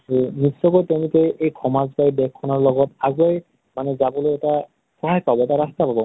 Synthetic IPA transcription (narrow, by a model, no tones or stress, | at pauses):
unisːɔkɔjtɛʊ̃nikɛʔejkʰɔmazbajbɛkʰːɔnɔɹlɔɡɔtaɡuaj | manɛzabɔlojɛta | xɔɦajpabɔɛtaɹastapabɔ